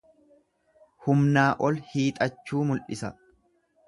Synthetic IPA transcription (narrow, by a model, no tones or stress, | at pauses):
hʊmnaːʔɔlhiːt̪ʼɐt͡ʃːuːmʊlʔɪsɐ